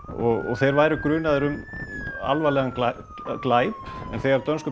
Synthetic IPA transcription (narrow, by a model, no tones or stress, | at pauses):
ɔɣɔ̰θejɾvaːjɾʏkɾʏːnaðʏɾʏma̰lvalɛɣanla | klaːjpɛ̰nθejɣaɾt̪œnskʏ